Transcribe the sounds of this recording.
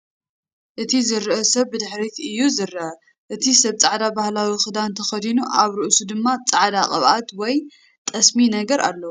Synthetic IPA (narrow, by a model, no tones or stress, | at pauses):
ʔɨt̪ʰizɨɾɨʔɐsɐβːɨd̪ɨħɾit̪ɨjːuzɨɾːɐʔɐ | ʔɨt̪ʰisɐβt͡sʼaʕd̪abahlawixɨd̪ant̪ʰɐxɐd̪inuʔaβɾɨʔsud̪ɨmːat͡sʼaʕd̪akʼɐβʔat̪wɔj | t̪ʼɐsminɐɡɐɾʔa̰lːɐu